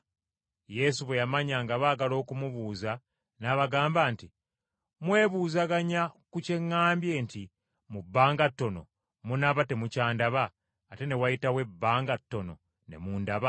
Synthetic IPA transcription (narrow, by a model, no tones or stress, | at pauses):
je̞ːsuβe̞jamaɲaŋɡaβaːɡalo̞ːkumuβuːza | naβaɡaːmbaːnti | mwe̞ːβuːzaɡaɲakuce̞ŋːaːmbje̞ːnti | mubːaːŋɡatːo̞no̞̰ | munaβate̞mucaːndaβaː | te̞ne̞wajitawe̞bːaːŋɡatːo̞no̞̰ | ne̞̰muːndaβa